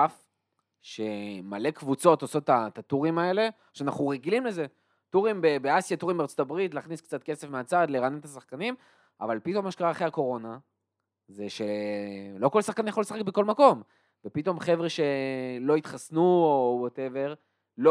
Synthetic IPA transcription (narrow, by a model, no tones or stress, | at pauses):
af | ʃe̞malekvut͡so̞t̪oso̞t̪ːatatuʁimae̞le̞ | ʃeanaχuʁeɡilimle̞ze̞ | tuʁimbebeasjat̪uʁimbeaʁt͡sot̪abʁitlaːχnisk̚t͡sat̪̚ke̞se̞fmeat͡sadleʁanenet̪asaχkanim | a̰valpit̪o̞maʃekaʁaːχeako̞ʁo̞na | ze̞ʃe̞lo̞kolsaχkanjaχo̞lesḁχekbeko̞lmako̞m | vepit̪o̞mχe̞vʁeʃe̞lo̞it̪χasnuowote̞ve̞ʁ | lo